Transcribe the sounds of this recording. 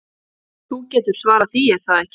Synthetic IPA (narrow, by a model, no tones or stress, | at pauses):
θucɛːt̪ʏɾ̥svaːɾaθiɛɾ̥θaðɛhc